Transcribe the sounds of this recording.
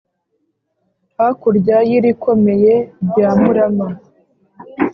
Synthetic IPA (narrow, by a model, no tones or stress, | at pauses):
akuɾɟajiɾiko̞me̞je̞bjaːmuɾama